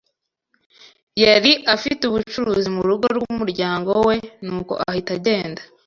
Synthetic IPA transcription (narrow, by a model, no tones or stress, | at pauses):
jeɾiʔafituβut͡ʃuɾuːzimuɾuɡo̞ɾɡuumuɾɟaːŋɡo̞we̞nuːko̞̰ʔa̰hitaɟe̞ːnda